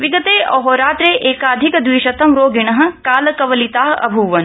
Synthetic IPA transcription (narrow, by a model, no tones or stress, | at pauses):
ʋiɡɐt̪eːʔɔɦoːɾaːt̪ɾeːʔeːkaːd̪ʱikd̪ʋiːʃɐt̪ɐmɾoːɡinɐɦɐ̆kaːlɐkɐʋɐlit̪aːɦɐ̰bʱuʋɐn